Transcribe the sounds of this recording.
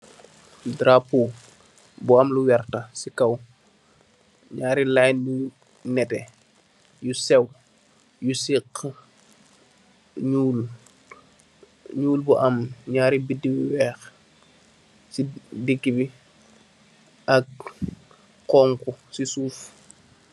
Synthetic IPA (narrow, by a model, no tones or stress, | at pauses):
dɾapu | buɐmluwɛrtɐsikɐw | ɲaːɾilaːjnu | nɛtɛ | jusɛw | jusiqː | ɲuːl | ɲuːlbuʔɐmɲaːɾibidiwiwɛːx | sidiɡːibi | ʔɐk̚ | qɔːŋkusisuːf